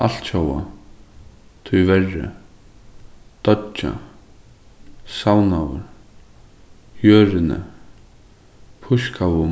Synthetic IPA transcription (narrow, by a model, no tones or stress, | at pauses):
al̥t̪ʃowa̰ | t̪ʰʊjvɛrːɪ̰ | d̪̥ɔt͡ʃːa̰ | sawnawə̰ɾ | hjøːɾɪnə̰ | pʰʊskʰawʊ